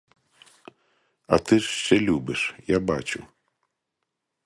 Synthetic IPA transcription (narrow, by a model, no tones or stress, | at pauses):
ɐ̰t̪ɪʂʃt͡ʃɛlʲubɨʂjabat͡ʃṵ